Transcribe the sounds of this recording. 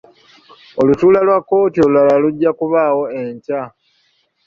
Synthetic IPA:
o̞lutuːlalwakːo̞ːtiolulalaluɟːakuβaːwo̞eɲca

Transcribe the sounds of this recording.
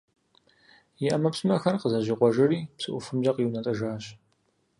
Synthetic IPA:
jɪʔɐmɐpsɨmɐxɐrqəzɐʑɪqʷɔʒɐriːpsɨʔʷʊfɨmʒɐqiwnɐtʼɐʒaːɕ

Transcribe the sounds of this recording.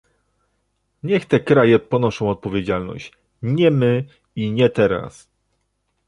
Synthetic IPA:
ɲɛxt̪ɛkɾajɛpɔnɔʂɔ̃w̃ɔt̪̚pɔvʲjed͡ʑalnɔ̰ɕt͡ɕ | ɲɛmɘ | iɲɛt̪ɛɾa̰s

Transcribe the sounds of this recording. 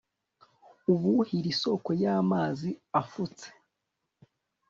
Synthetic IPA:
uβuhiɾiso̞ko̞jaːmaːziafut͡se̥

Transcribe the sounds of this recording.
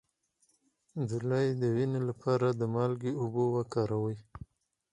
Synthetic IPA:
d̪ulajd̪əwinelapʰɑɾad̪əmɑlɡeʊbowakɑɾawəj

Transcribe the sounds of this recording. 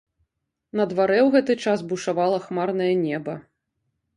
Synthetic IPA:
nɐd̪vaɾɛwɣɛt̪ɨt͡ʂasbuʂavalˠɐxmarn̪ɐjɐnʲɛbɐ

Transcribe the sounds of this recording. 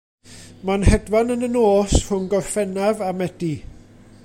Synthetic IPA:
manhɛdwanənənoːshʊnɡɔfɛnavamɛd̥i

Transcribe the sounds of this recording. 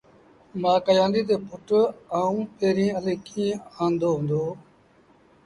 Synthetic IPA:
mãːkəjãːnd̪iːt̪̬eːpʰʊʈaːũːpeːɾĩːəleːkʰĩːãːnd̪oːɦʊ̃nd̪oː

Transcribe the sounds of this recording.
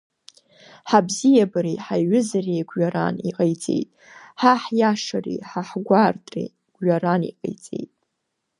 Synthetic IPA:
ħabzijabaɾiħaɥʊzariɡʷɥaɾa̰niqʼajt͡sʼe̞̰jtʼ | ħaħjaʂarḭħaħɡʷartʼrḭ | ɡ̥ʷɥaɾanḭqʼḛjt͡sʼe̞̰jtʼ

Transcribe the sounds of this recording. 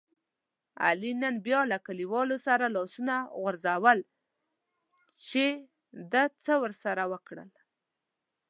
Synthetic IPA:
a̰linənbjɑlakaliwɑlosaɾalɑsunaɣwəɾzawəl | t͡ʃe | d̪at͡səwəɾsaɾawəkɽə̰l

